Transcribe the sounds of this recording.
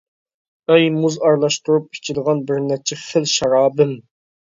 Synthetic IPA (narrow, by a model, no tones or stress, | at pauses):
ɛjmuzɑɾlˠɑʃt̪uɾup̚pʰɪ̥t͡ʃʰid̪əʁɑnbɪɾnɛt͡ʃʰɛχɪlʃɑɾɑːbɨm